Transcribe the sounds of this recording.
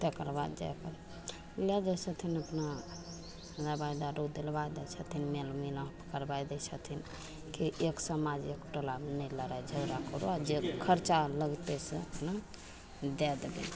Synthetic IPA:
t̪ɛkəɾbad̪d͡ʒa̰kəɾ | lɛd͡ʒɛsʰət̪ʰinəpna | ɾabaid̪aɾod̪elbajd̪ɛt͡ʃʰət̪ʰinmelmilapə̥kəɾbajd̪ɛt͡ʃʰət̪ʰin | kiʔeksəmad͡ʒekʈolamnələɾajd͡ʒʱəɡɾakəɾṵad͡ʒekʰəɾt͡ʃaləɡt̪esəəpna | d̪ɛd̪ebḛn

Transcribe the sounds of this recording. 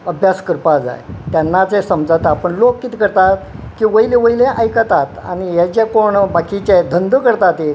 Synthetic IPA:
əbʱjaskəɾpad͡za̰jt̪janːat͡sɛ̃səmd͡zat̪aːpəɳlokkiːt̪ikəɾt̪at̪kiːʋəjilẽʋəjlẽʔajkət̪at̪a̰ñijat͡ɕekoɳbakit͡ɕed̪ʱənd̪əkəɾt̪at̪e

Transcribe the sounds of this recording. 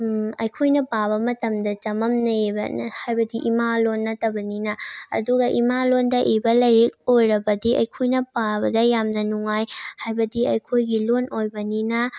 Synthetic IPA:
ɐjkʰojnɐpabɐmɐtɐmdɐt͡ʃɐmɐmnɐebɐ̰hajbɐdiʔimalonːɐtɐbɐninɐɐ̰duɡɐʔimalondɐʔebɐlɐjɾek̚ojɾɐbɐdiʔɐ̰jkʰojnɐpabɐdɐjamnɐnuŋajhajbɐdiɐjkʰojɡilonojbɐninɐ

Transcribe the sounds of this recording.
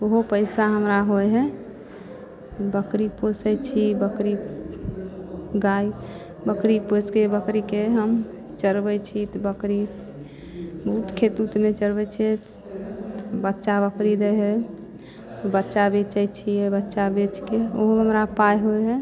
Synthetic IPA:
oɦopəɪsaɦəmɾaɦojɦɛ̃ | bəkɾiposəjt͡ʃʰibəkɾi | ɡai | bəkɾiposkebəkɾikeɦəm | t͡ʃəɾbɛt͡ʃʰit̪bəkɾi | bəɦut̪kʰet̪ut̪met͡ʃəɾbɛt͡ʃʰɛ | bətːʃabəkɾid̪eɦɛ | t̪ɔbətːʃabet͡ʃət͡ʃʰiɛbətːʃabet͡ʃkeoɦoɦəmɾapajɦoɦɛ

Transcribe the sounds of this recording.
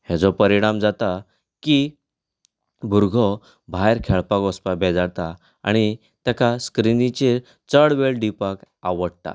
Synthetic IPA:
hɛd͡zɔpəɾiɽ̃amd͡zat̪a | ki | bʱuɾɡʱɔ | bʱajɾkʰɛɭpakɔspabʱɛd͡zaɽt̪a | a̰ɽ̃i | t̪ɛkaskɾinit͡ɕe | t͡səɽʋeɭɖipak | aʋəɽt̪a̰

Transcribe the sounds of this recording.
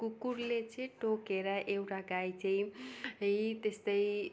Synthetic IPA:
kukuɾlet͡sʌĩʈokeɾʌʔewʈaɡajt͡saĩʌjt̪est̪ʌj

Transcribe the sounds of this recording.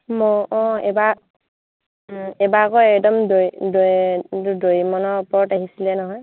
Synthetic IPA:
mɔʔɔ̃ɛba | ɛbakɔɛkdɔmdojdo | dojmɔnɔɹpɔɹɔtaɦisilɛnɔɦɔj

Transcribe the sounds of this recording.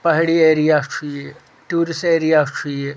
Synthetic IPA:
pɐɦɽieːɾijaːt͡ʃʰuje | ʈuːɾiseːɾijaːt͡ʃʰue

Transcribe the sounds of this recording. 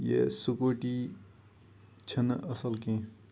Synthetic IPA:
jḛsukoːʈi | t͡ʃʰɐnɐsəlkẽ

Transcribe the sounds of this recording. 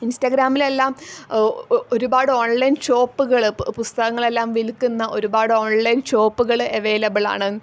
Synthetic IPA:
instɐɡɾaːmile̞lːaːm | oɾubaːɽɨo̞ːɳlɐjnɕo̞ːpːuɣɐɭpust̪ɐɣɐŋːɐɭe̞lːaːmʋilkːunːɐʔo̞ɾubaːɽɨo̞ːɳlɐjnɕo̞ːpːuɣɐɭe̞ʋeːlɐbɨɭa̰ːɳɨ

